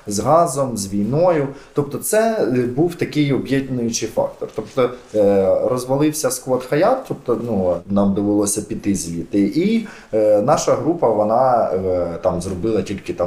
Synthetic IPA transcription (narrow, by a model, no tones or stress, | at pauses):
zɦɑzɔmzʋʲijnɔjʊt̪ɔp̚t̪ɔt̪sɛbuwt̪ɐkɪjɔbjɛd̪ʲnʊjʊt͡ʃɪjfɑ̰k̚t̪ɔrt̪ɔpt̪ɔ | rɔzʋɐlˠɪwsʲɐskʋɔt̪xɐjɑt̪t̪ːɔpt̪ɔnunɑmd̪ɔʋelˠɔsʲɐpʲit̪ɪzʲjit̪ɪʔi | nɑʃɐɦɾupɐʋɔnɑ | t̪ɑmzrɔbɪlˠɐtʲilʲkɪt̪ɑm